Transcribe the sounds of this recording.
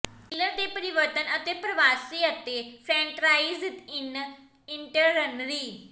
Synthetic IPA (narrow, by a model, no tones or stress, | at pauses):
kiləɾd̪epəɾiʋəɾt̪ənət̪epɾəʋasiət̪esɛ̃ɳʈɾaizt̪in | iɳʈəɾənɾiː